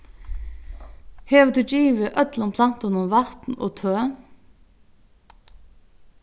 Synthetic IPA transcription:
heːʋəd̪ʰʉd͡ʒiːʋəʔœt̪lʊmpʰlɑnt̪ʊnʊmʋɑt̪n̩o̰ːt̪ʰøː

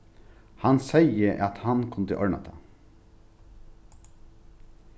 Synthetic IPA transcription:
hɑnsæɪəʔɑt̪hɑnkʰʊmt̪ʰɪ̰ʔɔɹɳɑ̰t̪ʰɑ̰

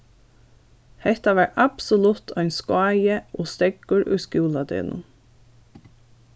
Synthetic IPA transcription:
hɛht̪aʋæːɹɑbsɔlʊt̪ʰœʏnskʊɑːjəʔoːst̪ɛɡ̥ʊɹʔʉ̰ːskjuːlɑd̪ḛːnʔʊ̰

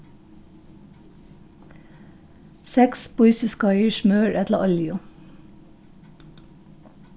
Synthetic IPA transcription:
sɛkspʊɪsɪskɑœʏʃmøːɹʔɛt̪ləʔɑljʊ

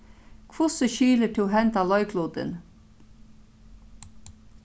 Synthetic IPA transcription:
kʰʋʊsəʃyːləʈʰɪoɦɛnt̪ɑlɑʏkʰluːd̪ə̰n

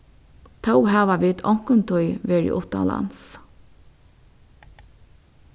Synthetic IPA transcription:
t̪ʰawhæːʋɑʋiːt̪ʰɔŋkənt̪ʰʊʏʋeːɹḭːʔʊt̪ɑ̰lɑ̰ns

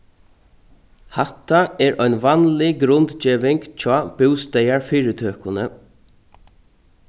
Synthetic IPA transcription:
hat̪ːaɛɾʔɔjnʋanlɪɡɾʊnt̪t͡ʃiːʋɪŋkt͡ʃʰɔːb̥ɪwst̪ɛjaɹfiːɾət̪ʰøːkʊnə

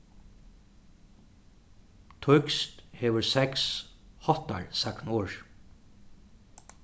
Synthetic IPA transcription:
t̪ʰɔʏkst̪heːʋəɹsɛkshɔt̪a̰ɹsaknuːɹ

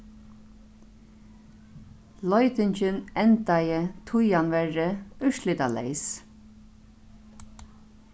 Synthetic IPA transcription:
lɔʏt̪ɪɲt͡ʃɪnɛnt̪ajət̪ʰʊjanʋɛɹəœʃliːt̪alɛ̰ɪs

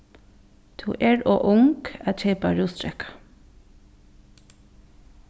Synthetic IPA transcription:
t̪ʰṵːʔɛɹɔʔʊŋkat͡ʃʰeːpaɹuːst̪ɾɛhkḁ

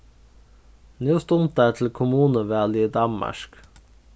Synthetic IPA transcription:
njuːst̪ʊnt̪̚æːtʰl̩kʰʊmuːnəʋæːliːd̪ɑnmɑ̰ʃk

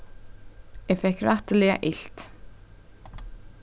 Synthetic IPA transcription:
jɛɣfɛhkraht̪ɪlɛɣa̰ʔɪl̥t̪

